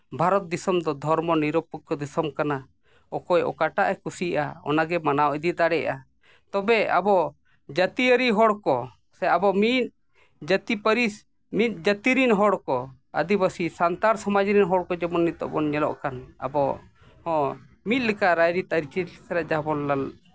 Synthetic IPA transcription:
bʱaɾɔt̪̚d̪isɔmd̪ɔd̪ʱɔɾmɔniɾɔpukkɔd̪isɔmkana | ɔkɔjʔɔ̰kaʈaʔɛkusia̰ɔ̰naɡɛmanawʔid̪it̪̚d̪aɽɛja | t̪ɔbɛa̰bɔ | d͡ʒət̪iəɾiɦɔɽkɔ | sɛabɔmit̪̚ | d͡ʒət̪ipəɾi | mit̪̚d͡ʒət̪iɾinɦɔɽkɔ | ə̰d̪ibəsisant̪aɾsɔmad͡ʒɾinɦɔɽkɔd͡ʒɛbɔnːit̪̚ɔ̰ʔbɔnɲɛlɔ̰ʔkana̰bɔ | hɔ̃ | mit̪̚lɛkaɾajɾit̪aɾit͡ʃisaɾaʔd͡ʒaɦbɔnlal

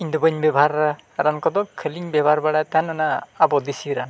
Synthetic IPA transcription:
iɲd̪ɔbəɲbɛbʱaɾa | ɾankɔd̪ɔkʰəliɲbɛbʱaɾbaɽat̪anɔnaːbɔd̪isiɾan

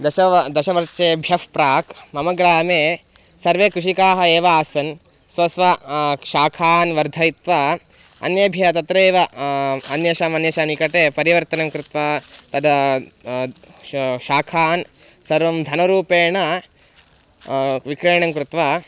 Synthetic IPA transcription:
d̪ɐʃɐd̪ɐʃɐʋɐɾt͡ʃeːbʱjɐfpɾaːkʰmɐmɐɡɾaːmeː | sɐɾʋeːkɾuʂikaːɦɐeːʋɐaːsɐn | sʋɐsʋɐʃaːkʰaːnʋɐɾd̪ʱɐjit̪ʋa | ɐ̰njɐbʱjɐɐt̪ɐt̪ɾeːʋɐɐnjɐʃaːmɐnjɐʃaːnikɐʈeːpɐɾiʋɐɾt̪ɐnɐmkɾut̪ʋaːt̪ɐd̪ɐ | ʃaːkʰaːnsɐɾʋɐmd̪ʱɐnɐɾuːpeːɳɐ | ʋikɾeːɳɐŋkɾut̪ʋa

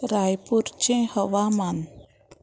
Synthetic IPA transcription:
ɾajpuɾt͡ʃɛ̃həwaman

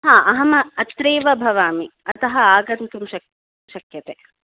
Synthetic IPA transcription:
ɦãːʔɐɦɐmɐːt̪ɾeːʋɐbʱɐʋaːmiɐt̪ɐɦɐaːɡɐnt̪umʃɐk̚ | ʃɐkjɐt̪eː

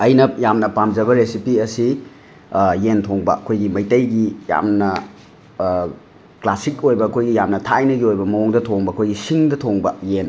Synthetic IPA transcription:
ɐjnɐjamnɐpamd͡ʒɐbɐɾesipiɐsi | jentʰoŋbɐ̰ɐkʰojɡimɐjtɐjɡija̰mnɐ | klasik̚ojbɐːkʰojɡijamnɐtʰajnɐɡiojbɐmɐoŋdɐtʰoŋbɐɐkʰojɡisiŋdɐtʰoŋbɐjen

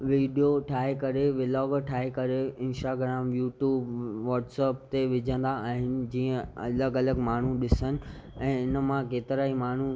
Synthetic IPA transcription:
ʋiːɖijoʈʰaːɦekɐɾeʋɪlɔːɡʈʰaːɦekɐɾeɪ̃nsʈaːɡɾaːmjuːʈjuːbʋɔːʈsɛːp̚t̪eʋɪd͡ʑʱə̃nd̪aaːɦɪnɪ̆d͡ʑiːə̃ɐ̰ləɡɐləɡmaːɳ̤uɗɪsənɪ̆ɛ̃ːɪnə̆mãkeːt̪ɪɾaːimaːɳ̤u

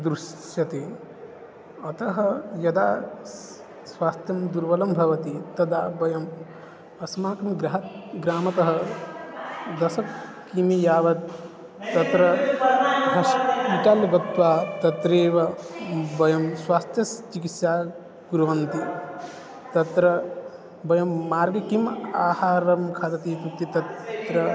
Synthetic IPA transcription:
d̪ɾuʃ | jɐt̪eː | ɐt̪ɐɦɐjɐd̪aː | swaːst̪ʰjɐmd̪uɾʋɐlɐmbʱɐʋɐt̪it̪ɐd̪aːbɐjɐm | ɐsmaːkɐmɡɾɐɦɐt̪̚ɡɾaːmɐt̪ɐɦɐ | d̪ɐsɐk̚ | kimijaːʋɐt̪̚ː | ɐt̪ɾɐ | ɐʃiʈaːljɐbɐt̪ʋaːt̪ɐt̪ɾeːʋɐbɐjɐmswaːst̪ʰjɐst͡ʃikit̪saː | ɡuɾɐʋɐnt̪i | t̪ɐt̪ɾɐ | bɐjɐmːaːɾɡɐkimaːhaːɾɐmkʰaːt̪ɐt̪iːt̪ɾut̪ːit̪ɐt̪t̪ɾɐ

